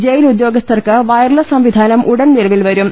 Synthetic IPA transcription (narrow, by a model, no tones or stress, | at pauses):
d͡ʑejilud̪jo̞ːɡɐst̪ɐrkɨʋɐjɐrɭɐsɐmʋid̪ʱaːnɐmʔuɽɐnniɾɐʋilʋɐɾum